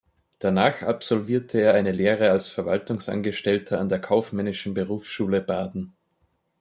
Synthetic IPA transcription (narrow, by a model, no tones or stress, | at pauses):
d̥anaːxapsɔlviːɐtʰəeːɐʔaɪnəleːʁəalsfɛɐvaltʊŋsʔa̰nɡəʃtɛltʰɐandeːɐkʰaʊfmɛnɪʃn̩bəʁuːfsʃuːləbaːdn̩